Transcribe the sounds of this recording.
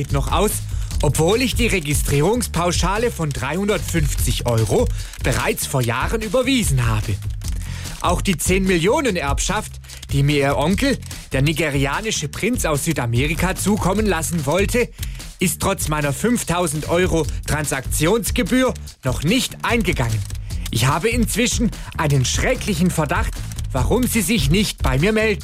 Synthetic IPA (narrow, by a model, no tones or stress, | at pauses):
tnɔχʔa̰ʊs | ʔɔpv̥oːlɪçd̥iːʁeɡɪstʁ̥iːʁʊŋspʰaʊʃaːləfɔndʁaɪhʊndɐtfʏnft͡sɪçʔɔʏʁo | b̥əʁa̰ɪt͡sfoːɐjaːʁənyːbɐviːzn̩ɦaːbə | ʔaʊxd̥iːt͡seːnmɪljoːnənʔɛɐpʃaft | d̥iːmiːɐiːɐʔɔŋkl̩d̥eːɐniɡeʁiaːnɪʃəpʁ̥ɪnt͡saʊsz̥yːtamɛːʁikat͡suːkʰɔmənlasn̩vɔltʰəʔɪstʁ̥ɔt͡smaɪnɐfʏnftʰaʊzn̩tʔɔʏʁotʁ̥ansak̚t͡sjoːnsɡ̥əbyːɐ | nɔχnɪçtʔaɪnɡəɡaŋənʔɪçhaːbəɪnt͡sv̥ɪʃn̩ʔaɪnənʃʁ̥ɛklɪçn̩fɛɐdaχtv̥aʁʊmziːzɪçnɪçt̚b̥aɪmiːɐmɛldn̩